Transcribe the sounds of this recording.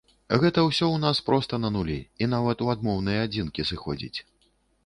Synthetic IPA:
ɣɛt̪ɐwsʲɔwnaspɾɔst̪ɐnɐnulʲḭin̪avɐt̪uad̪mɔwnɨjɐad͡zʲinkʲisɨxɔ̰d͡zʲḭt͡sʲ

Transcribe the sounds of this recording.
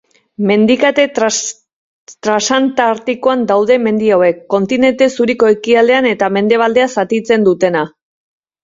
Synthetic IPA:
me̞nd̪ikat̪e | t̪ɾasant̪aɾt̪ikoand̪awðe̞me̞nd̪iawe̞kːo̞nt̪ine̞nt̪e̞suɾiko̞e̞kiald̪e̞ane̞t̪ame̞nd̪e̞β̞ald̪e̞asat̪it͡se̞nd̪ut̪e̞na

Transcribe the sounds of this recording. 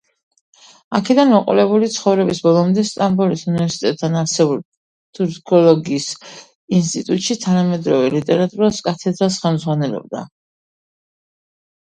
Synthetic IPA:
a̰kʰɛd̪anmɔqʼṵlɛbulit̪sʰχɔvɾɛbisbɔlˠɔmd̪ɛst̪ʼambulisunivɛɾsi̥t̪ʼɛt̪ʼːʰanaɾsɛbul | t̪ʰʼuɾkʰɔlɔɡiːs | inst̪ʼit̪ʼut̪ʼʃit̪ʰanamɛd̪ɾɔvɛlit̪ʼɛɾat̪ʼuɾaskʼat̪ʰɛd̪ɾasχɛlˠmzʁwanɛlɔ̰b̚d̪a̰

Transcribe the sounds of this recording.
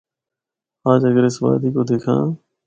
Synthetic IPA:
aːd͡ʒəɡəɾɪsʋa̰ːd̪iːkoːd̪eːkʰãː

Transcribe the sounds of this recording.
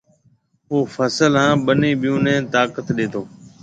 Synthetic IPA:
oːfʰəsəlɦãːɓəniːɓɪjũːnɛ̃ːt̪aːkət̪ɗeːt̪oː

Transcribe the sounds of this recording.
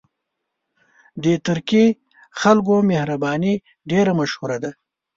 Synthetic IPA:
d̪et̪əɾki | xalɡomehɾabɑni | ɖeɾamaʃhuɾad̪a

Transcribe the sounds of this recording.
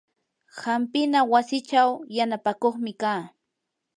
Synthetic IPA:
hampɪnawasɪt͡ʃawjanapakoχmɪkaː

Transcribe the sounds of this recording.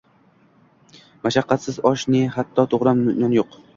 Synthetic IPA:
maʃaqːɑt̪sɪzɒʃnɪhat̪ʰːɒt̪ʰoʁɾamnʊnɒnjoq

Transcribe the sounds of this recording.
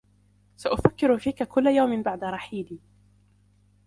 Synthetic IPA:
saʔʊfakːɪɾʊfiːkakʊlːajawmɪnbaʕd̪aɾˤɑħiːd̪iː

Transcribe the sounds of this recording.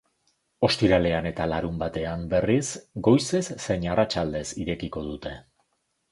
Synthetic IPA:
o̞st̪iɾale̞ane̞t̪alaɾumbat̪e̞ambe̞risɡo̞jse̞sːe̞ɲarat͡ʃald̪e̞siɾe̞kiko̞ð̞ut̪e̞

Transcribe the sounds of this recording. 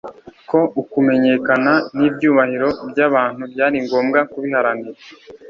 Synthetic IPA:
ko̞ʔukume̞ɲe̞ːkananibjuːβahiɾo̞bjaːβaːn̥hubjaːɾiŋɡo̞ːmɡakuβihaɾaniɾa

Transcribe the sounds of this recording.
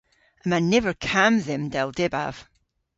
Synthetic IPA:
əmãnːɛvə˞kʰãmðɛ̃mdɛlˠdɛba̰v̥

